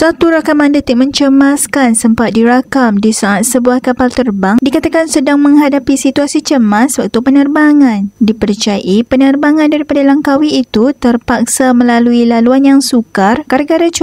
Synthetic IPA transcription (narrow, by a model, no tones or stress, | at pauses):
sat̪uɾakamãndət̪ik̚mə̃ɲt͡ʃəmaskansəmpat̪̚diɾakamdisaʔat̪̚səbuahkapalt̪ərbaŋdikat̪akansədaŋmə̃ŋɦadapisit̪uasit͡ʃəmaswak̚t̪upənərbaŋãndipərt͡ʃajaʔipənərbaŋãndaɾipadalaŋkawiːt̪ut̪ərpak̚samə̃laluilaluanjaŋsukarkaɾaɡaɾat͡ʃu